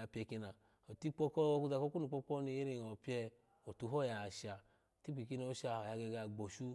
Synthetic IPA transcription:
a˧˨pʲɛ˧ki˧na˨ | o˨ti˦k͡pɔ˦kɔ˦ku˧˦za˧ko˦ku˦u˨k͡pɔ˦k͡pɔ˦ni˧˦e˦ɾi˦˧˨o˨pi˦ɛ˧ | o˨tu˧˦ɦɔ˦˨ja˨ʃa˨ | ti˦k͡pi˨ki˦no˧˦ʃa˧˨o˨ja˨˧ɡɛ˧ɡa˧˨ɡ͡bo˨ʃu˦

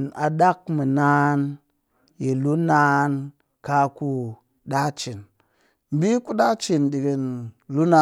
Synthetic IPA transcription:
na˨ɗa˦k̚mi˨na˦n | ji˨lu˦na˦n | ka˧ku˦ | ɗa˦t͡ʃi˨n | m˦˨bi˦ku˦ɗa˦t͡ʃi˨nɗi˨ɡi˨nlu˦na˦

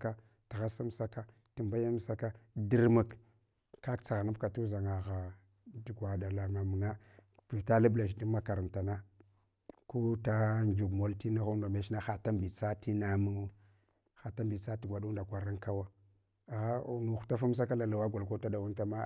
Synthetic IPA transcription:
ka˦ | ti˨ɣa˦sa˦msa˦ka˦ | ti˨mba˦ja˦m˦sa˦ka˦di˦ɾma˨k | ka˦kt͡sa˨ɣa˨na˦bka˨tu˦za˨ŋa˨ɣa˨ | du˨ɡʷwa˨da˨la˨ma˨mu˨na˦pi˨ta˦la˦bla˨ʃ̬di˦ma˦ka˨ɾa˨ta˨na˦ | ko˦ta˦nd͡ʒu˨ɡmo˨˦lti˦na˦ɣu˦ndo˨me˦ʃna˦xa˨ta˦mbi˨t͡sa˦ti˦na˦mu˦ŋ˦ | xa˨ta˦mbi˨t͡sa˦ti˨ɡʷa˨du˦da˨kʷa˨ɾa˦ŋka˦wa˦ | a˨˦˨nu˨xta˦fu˦m˦s̬a˦ka˦la˨la˨wa˦ɡʷa˨lko˦ta˦da˨wa˦nta˦ma˦

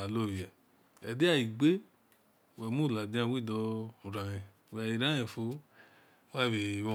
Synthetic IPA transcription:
a˨lo˦˨ɾi˨ɛ˨ | ɛ˨de˦a˦˨i˨ɡ͡be˦ | wɛ˨mũ˦˨la˨dĩ˧˦ã˧˨wi˦˨dɔ˧u˨ɾã˨ɾĩ˨wi˨ɾã˦ɛ̃˨fo˧˦ | wa˦˨we˨wɔ˧˨

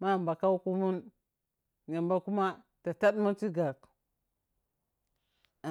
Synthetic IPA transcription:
ma˦˨mba˨ka˦wku˦mu˦n | ɲa˨mba˦ku˦ma˦ | ta˨ta˦ɗma˦t͡si˦ɡa˨k

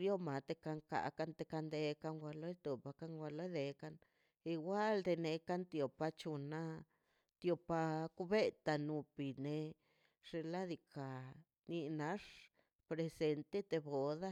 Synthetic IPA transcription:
ɾjo˦ma˨t̪e˧ka˧ŋka̰˨ka˧nt̪e˧ka˧nd̪e˧ka˧ŋɡʷa˧lo˦t̪o˨pa˧ka˦ŋɡʷa˧lo˦jd̪e˧ka˦n | i˧ɡʷa˦ld̪e˧ne˧ka˦nt̪jo˨pa˧t͡ʃu˧na˦ | t̪jo˧pa˧ku˦be˦t̪a˧nu˧pi˨ne˧ | ʂe˧la˦d̪i˧ka˨ | ni˧na˧˦ʂ | pɾe˧se˧nt̪e˦t̪e˧bo˨d̪a˦

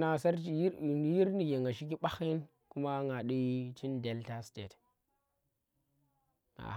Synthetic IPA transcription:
na˨sa˦ɾji˦ɾni˨ɡe˨ŋɡa˨ʃi˦k̬i˦ɓa˦xi˦n | ku˦ma˦ŋa˨ɗi˦t͡ʃi˦nde˨lta˦stḛ˨t | ŋa̰˨

